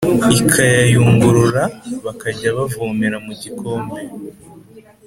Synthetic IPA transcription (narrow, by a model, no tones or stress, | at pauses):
ikʰajajuːŋɡuɾuɾaβakaɟaβavuːmiɾamuɟikʰo̞ːmbe